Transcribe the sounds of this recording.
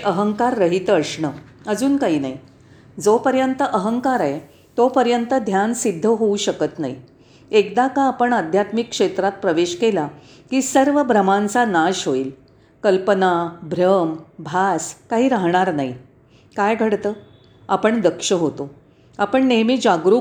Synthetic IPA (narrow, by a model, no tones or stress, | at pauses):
ʔəɦəŋkaɾːəɦit̪əʂɳə | əd͡zuːnkaɦiːnai | d͡zopəɾjənt̪əʔəɦəŋkaɾaj | t̪opəɾjənt̪əd̪ʱjansid̪ʱːəɦouɕəkət̪na̰ḭ | ekd̪akaːpəɳəd̪ʱjat̪mikːʂet̪ɾat̪̚pɾəʋeɕkela | kiːsəɾʋəbʱɾəmãnt͡sanaɕɦoiːl | kəlpənabʱɾəmbʱaskaɦiːɾaɦɳ̃aɾnai | kajɡʱəɽt̪əː | apəɳd̪əkʂəɦot̪o | apəɳnemiːd͡ʑaɡɾu